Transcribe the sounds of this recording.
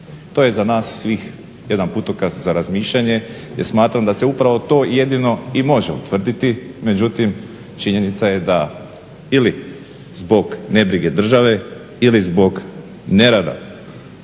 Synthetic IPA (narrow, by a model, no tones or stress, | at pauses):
t̪o̞ːje̞zanaːsːʋiːx | jed̪anput̪okaszaɾazmiːʃʎaɲe̞jeɾsmaːt̪ɾamd̪ase̞upɾaʋo̞t̪o̞ːje̞d̪ino̞imo̞ʒeṵt̪ʋr̩d̪it̪ime̞d͡ʑut̪im | t͡ʃiɲe̞nit̪saje̞d̪a | ili | zbo̞ɡne̞bɾiɡe̞d̪r̩ʒaʋe̞ | ilizbo̞ɡ | ne̞ɾad̪a̰